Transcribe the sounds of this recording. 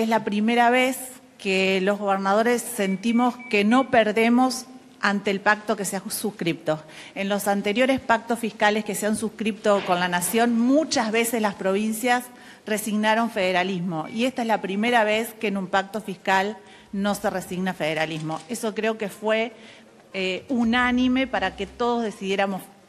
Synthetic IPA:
ezlapɾime̞ɾaβes | kelo̞ɦɣo̞β̞eɾnað̞o̞ɾesːe̞nt̪imo̞skeno̞peɾðe̞mo̞s | ant̪eːlpak̚t̪o̞keseasuhkɾip̚t̪o̞enlo̞sant̪e̞ɾjo̞ɾe̞spak̚t̪osfihkaleskeseansuhkɾip̚t̪oko̞nlanasjo̞nmut͡ʃazβe̞seslaspɾo̞β̞insjas | re̞siɣnaɾo̞ɱfeðeɾalizmo̞ie̞st̪aezlapɾime̞ɾaβe̞skeːnumpak̚t̪o̞fihkal | no̞se̞resiɣnafeð̞eɾalizmo̞e̞so̞kɾe̞o̞kefwe̞ | eunanĩme̞paɾake̞t̪o̞ð̞o̞zðe̞siðje̞ɾamos

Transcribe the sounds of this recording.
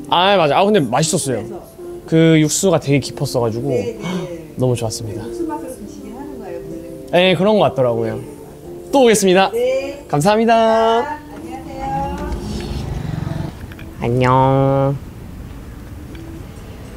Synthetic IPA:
amad͡ʑaakɯndemaɕ̬ʰi̥s͈ʌs͈ʌjo̰ | kɯjuk̚s͈uɡatwe̞ɡe̞ki̥pʰʌs͈ʌɣad͡ʑuɡo | nʌmut͡ɕowas͈ɯmɲida | je̞kɯɾʌnɡʌk͈at͈̚ʌɾaɡojo | t͈ooɡe̞s͈ɯmɲidakams̬ʰaɦamɲida | a̰ɲːʌ

